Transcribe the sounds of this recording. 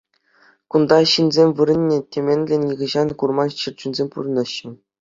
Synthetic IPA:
kund̪ɑɕɯnʲzʲemʲʋɯɾɘ̆nʲːetʲemʲenʲlʲenʲjĭɡʲɤ̆ʑɑnkurmɑɕɯrt͡ɕunʲzʲemʲpṵrɤ̆nɤ̆ɕːɘ̆

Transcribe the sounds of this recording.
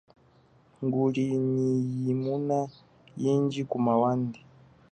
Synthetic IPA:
ŋɡulinijimuna | jiːɲɟikumawandi

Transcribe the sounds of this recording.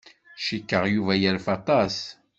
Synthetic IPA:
ʃikːəʁjuvæjəɾfɑt̪ˤɑs

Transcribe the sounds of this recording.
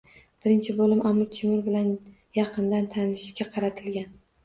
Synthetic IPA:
b̥ɪɾɪnt͡ʃʰɪbolɪmʔamʊɾt͡ʃ̪ʰemʊɾbɪlan | jɑqʰɨnd̪ant̪ʰanɪʃkʲaqʰɑɾat̪ʰɪlɡʲan

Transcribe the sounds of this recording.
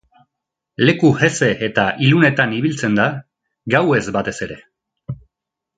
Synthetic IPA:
le̞kuhe̞se̞ʔet̪aʔilune̞t̪aniβilt͡se̞nd̪a | ɡawe̞zbat̪e̞se̞ɾe̞

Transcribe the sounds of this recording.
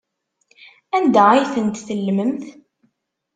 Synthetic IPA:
ænd̪æajθənt̪θəlːəməmθ

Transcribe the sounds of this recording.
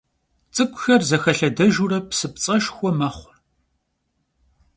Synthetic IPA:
t͡sʼɨkʷʰʼʊxɐrzɐxɐɬɐdɐʒurɐpsɨpt͡sʼɐʃxʷɔmɐχʷʊr

